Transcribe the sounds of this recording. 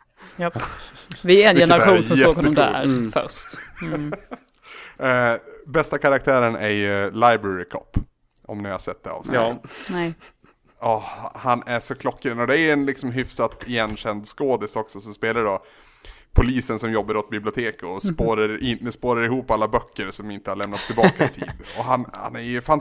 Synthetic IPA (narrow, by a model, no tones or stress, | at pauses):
j | vɪɛnjɛnəɾaɧuːnsɔmɛoːɡhɔɔmd̪æ̰ɾfœ̰ɾʂt̪ | bɛst̪akʰaɾak̚t̪ʰæːɾənæɾlajbɾɛɾɪkʰɔ̰pː | ɔ̰mnɪha̰sɛt̪̚d̪ɛ̰ɑ̰vsnɛ | ɑːhanæʂɔkʰlɔkːɪd̪ənɔd̪ɛæɾɛnlɪksɔmɦʏfsat̪ɛjɛnɕɛnd̪skoːd̪ɪsɔksɔsɔspeːlaɖɔ | pʰʊliːsənsɔmjɔbːaɾɔt̪̚bɪblɪʊt̪ʰeːkɔspoːɾaɾɪɛspoːɾaɾɪhuːpːalːabœkʰːəɾsɔmɪnt̪əhaɭɛmnat̪st̪ʰːɪlbɑːkaɪt̪ʰḭːd̪ɔɦanha̰næɾjjɵfan